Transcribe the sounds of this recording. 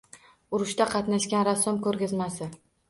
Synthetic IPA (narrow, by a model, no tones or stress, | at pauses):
ʊɾʊʃt̪aqʰɑt̪naʃkʲanɾasːɒmkɵɾɡʲɪzmasɪ